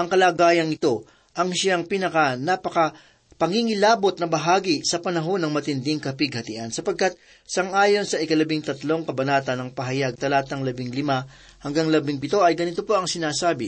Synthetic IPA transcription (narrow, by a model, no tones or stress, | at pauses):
ʔɐŋkɐlaːɡaːjɐnŋɪt̪o̞ | ʔɐŋʃaŋpinɐkɐnapɐkɐ | pɐŋiŋɪlaːbo̞t̪̚nɐbɐɦaːɡisɐpɐnɐɦo̞nɐŋmɐt̪ɪnd̪ɪŋkɐpɪɡ̚hɐt̪ɪʔansɐpɐɡ̚kat̪̚ | sɐŋʔaːjo̞nsɐʔɪkɐlɐbɪŋt̪ɐt̪lo̞ŋkɐbɐnaːt̪ɐnːɐŋpɐɦɐjaɡ̚t̪ɐlaːt̪ɐŋlɐbɪŋlɪma | hɐŋɡaŋlɐbɪŋpɪt̪o̞ʔɐjɡɐnɪt̪o̞po̞ɐŋsɪnaːsaːbɪ